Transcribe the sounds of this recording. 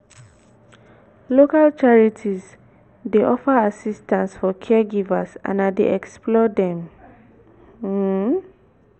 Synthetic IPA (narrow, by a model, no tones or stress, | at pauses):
lokalt͡ʃaɹitʰiz | deʔɔfaasistãnsfɔkʰɛɡivasã̰nadḛɛksplɔdɛ̃m